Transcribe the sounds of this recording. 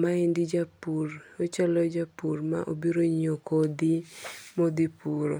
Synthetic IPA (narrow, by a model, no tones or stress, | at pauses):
maindid͡ʒapurot͡ʃalɔd͡ʒapurma̰ʔobiɾoɲokod̪imod̪ipuɾo̰